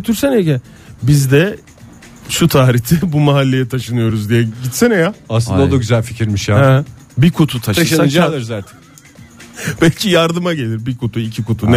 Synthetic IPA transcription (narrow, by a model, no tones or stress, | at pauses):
øt̪ʰyɾsɛneɟɛ | bizd̪ɛ | ʃut̪ʰaːɾiçt̪ʰɪbumaɦalʲːe̞jɛt̪ʰaʃɯnɯjo̞ɾuzd̪ijɛɟit̪sinɛjaaslˠɯnd̪ad̪aɟyzælʲficʰiɾmiʃjaː | bikʰut̪ʰut̪ʰaʃʰaʃɯnɯd͡ʒalˠɯɾzaːt̪ʰɛn | b̥ɛlʲcʰijaɾd̪ɯmaɟe̞lʲiɾbikʰut̪ʰuicʰikut̪ʰun